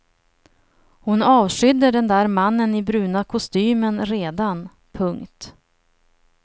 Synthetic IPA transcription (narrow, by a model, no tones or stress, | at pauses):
hʊnɑːvʂʏd̪ːəɖɛnd̪æːɾmanːənɪbɾʉ̟ːnakʰʊst̪yːmənɾeːd̪an | pʰɵŋkt̪